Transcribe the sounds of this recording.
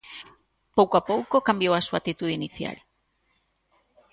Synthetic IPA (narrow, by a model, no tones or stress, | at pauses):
powkoapowkokambjowasuat̪it̪uðeiniθja̰l